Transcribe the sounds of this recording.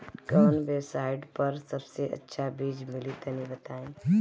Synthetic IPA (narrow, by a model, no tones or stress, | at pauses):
kəːnbeːbsaːɪɖpɐɾsɐbseʔɐ̰tːʃʰabiːd͡ʒmɪlit̪ənibət̪aːẽ